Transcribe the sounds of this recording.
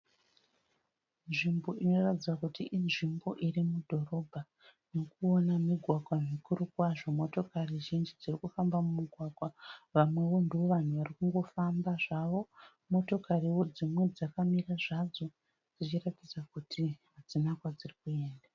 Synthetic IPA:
nʐimbo̞ino̞ratid͡zakutiʔinʐimbo̞ʔirimudʱo̞ro̞bʱa | no̞kuonamiɡʱwaɡʱwamikuɾukwaʐo̞mo̞to̞kariʒind͡ʒid͡zirikufambamumuɡʱwaɡʱwaʋamwe̞ʋo̞ndeoʋan̤uʋarikuŋɡo̞fambaʐaʋo̞ | mo̞to̞kariwo̞d͡zimwe̞d͡zakamiraʐad͡zo̞ | d͡zit͡ʃiratid͡zakutʰiɦad͡zinakwad͡zirikue̞ːnda

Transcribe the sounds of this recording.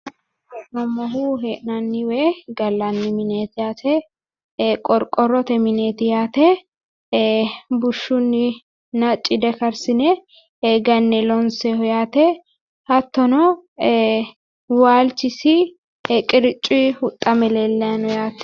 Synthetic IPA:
heʔnɐmːɔɦuɦeːʔnɐnːɪwɛɡɐlːɐnːɪmɪneːt̪ɪjaːt̪ɛ | kʼɔɾkʼɔrɔt̪ɛmɪneːt̪ɪjaːt̪ɛ | bʊʃːʊnːɪ | nɐt͡ʃʼːɪd̪ɛkɐɾsɪnɛ | ɡɐnːɛlɔnsɛhɔjaːt̪ɛ | hɐt̪ːɔnɔ | waːlt͡ʃːɪsɪ | kʼɪɾɪt͡ʃʼːihʊt̪ʼːɐmɛlɛlːɛanɔjaːt̪

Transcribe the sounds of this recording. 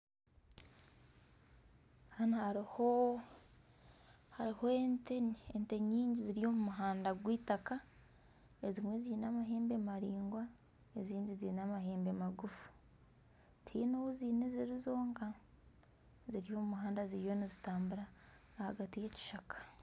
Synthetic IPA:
hanahaɾho | haɾihoenteente̞ɲiːɲɟiziɾijo̞mumuɦaːndaɡwiːtaka | ezimwe̞ziːnamaɦe̞ːmbemaɾiːŋɡwa | e̞ziːɲndiziːnamaɦeːmbe̞maɡufu̥ | tʰḭːnoβuziːneziɾizo̞ːŋɡa | ziɾijo̞mumuɦaːndaziɾijo̞nizitaːmbuɾaː | haɡatije̞ci̥ʃakʰḁ

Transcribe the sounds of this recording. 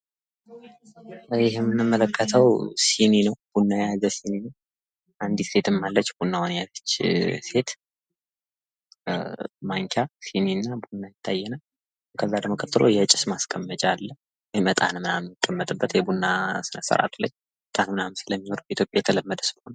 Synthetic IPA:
jɪɦmːɨnɨmːələkʰːət̪ʰəwsininəwb̥unːajajjazəsininəw | ʔand̪ise̞t̪ʰɨmːalːət͡ʃːbunːawanjazət͡ʃːse̞t̪ | maŋkʰjasininːabunːajɪt̪ʰːajːɛna | kʰəzːad̪əmokʰət̪ːɨlo̞̰jɛt͡ʃʼɪsmaskʼəmːət͡ʃʼalːə | wɔjmət̪ʼa̰nɨmɨnamːikʼːəmːət̪ʼɨbːət̪jɛbunːasɨnəsə̰ɾa̰t̪ləɲː | mət̪ʼanmɨnamsɨləmːino̞ɾbəit̪ʰjo̞pʼjajɛt̪ʰələmːəd̪əsɨlho̞n

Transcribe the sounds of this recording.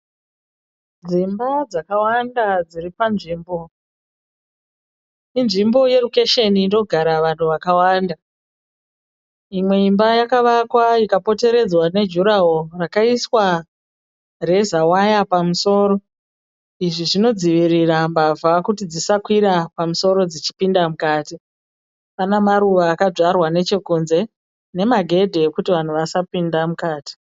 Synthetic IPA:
d͡zimbad͡zakawandad͡ziripanʐiːmbo̞ | inʐimbo̞je̞ruke̞ʃe̞niːdo̞ɡʱaɾaʋantʰuʋakawanda | imwe̞imbajakaʋakwaikapo̞te̞ɾe̞d͡zwane̞d͡ʒuɾaɦorakaiswa | re̞zawajapamuso̞ːɾo̞ | iʐiʐino̞d͡ziʋirirambavakutid͡zisakwiɾapamuso̞ɾo̞d͡zit͡ʃi̥pindamukaːti | panamaɾuʋaːkad͡ʐarwane̞t͡ʃe̞kunze̞ | ne̞maɡʱe̞dʱeekutiʋan̤uʋasapindamukaːti̥

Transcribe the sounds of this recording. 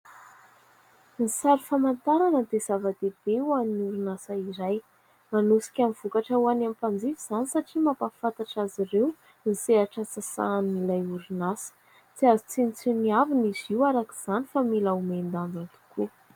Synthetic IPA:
nisaɾifamant̪aɾanəd̪ez̥avad̪eb̥ewaniniuɾunasaiɾaj | manusi̥kʲamv̥ukaʈ͡ʂawanampand͡zifiz̥anisaʈ͡ʂimapafat̪aʈ͡ʂaziɾew | niseaʈ͡ʂasasa̰nːilajuɾunasə̥ | t͡siazit͡sinit͡siniaviniziwaɾaki̥z̥anifamilaumend̪and̪ant̪u̥kʰu

